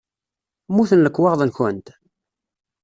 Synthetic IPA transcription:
muθənləkːwɑʁðˤənçənt̪

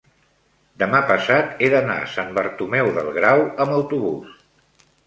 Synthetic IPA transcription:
d̪əmapəsat̪eðəna̰sambəɾt̪umɛwðə̰lˠɣɾawəməwt̪uβus

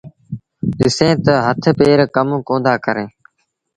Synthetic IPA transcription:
ɗɪsẽːt̪əɦət̪ʰpeːɾkəmkõːnd̪aːkəɾẽː

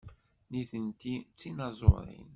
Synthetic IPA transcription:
niθənt̪it͡sːinɑzˤo̰ɾḭn

